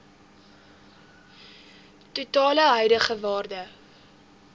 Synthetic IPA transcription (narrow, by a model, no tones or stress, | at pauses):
tutɑːləɦɛjdəχəvɑːrdə